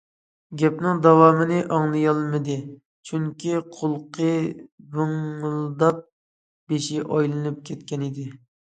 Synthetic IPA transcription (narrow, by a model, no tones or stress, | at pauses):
ɡʲɛpnɨŋd̪ɑwɑːmɨnɪʔɑŋlˠɨjɑlˠmɨd̪ɪ | t͡ʃʰyŋkʲiqʰolˠqʰəbʊŋlˠd̪ɑp̚ | b̥eʃiʔɑjlˠɨnɨp̚kʲʰɛt̪kʲɛnɪd̪ɪ